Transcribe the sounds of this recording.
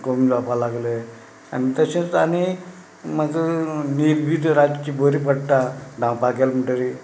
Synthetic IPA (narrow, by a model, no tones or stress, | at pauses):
komid͡zapalaɡle | a̰nit̪əsẽt͡sani | məɡnibʱid̪ɾad͡ʑt͡ɕiboɾipəɽt̪aɖʱãwpakelmiʈəɾi